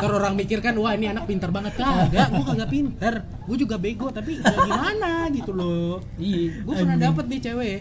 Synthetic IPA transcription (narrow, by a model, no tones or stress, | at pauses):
t̪əɾoɾaŋmikɪrkanuwahinianak̚pint̪ərbaŋət̪̚kaɡaʔɡuakaŋɡaʔpint̪ər | ɡuɛd͡ʒuɡabeɡot̪apiɡamanaɡit̪ulɔ | ɡuapunadap̬ət̪̚dit͡ʃewe